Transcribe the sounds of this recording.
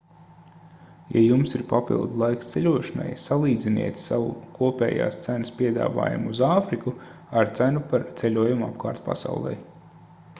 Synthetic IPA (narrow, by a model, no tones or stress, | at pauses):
ja̰jumsiɾpapḭlˠd̪lˠajkst̪selʲuɔʃana̰jsalˠiːd̪zʲinḭɛt̪sawṵkuɔpʲɛ̰ːja̰ːst̪sænəspʲiɛd̪a̰ːva̰ːjṵmuzaːfɾiku | aɾt̪sænupaɾt̪selʲuɔjumapkaːɾt̪pa̰sa̰wlˠɛ̰j